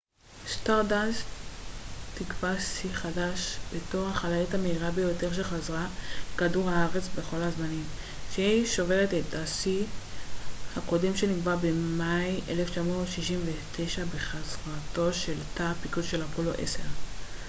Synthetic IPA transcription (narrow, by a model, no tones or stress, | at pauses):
staʁdans | tikvasiχadaʃb̥e̞to̞ʁhaχalajothameiʁabe̞jo̞te̞ʁʃ̬eχazʁakaduʁhaaʁe̞t͡sbeχo̞lhazmanim | ʃeiʃo̞ve̞ʁetetasi | hako̞demʃe̞niɡbabemajʔḛleft͡ʃamo̞ːtʃiʃimvetʰejʃabe̞χazʁato̞ʃe̞ltapikudʃelapoloʔḛse̞ʁ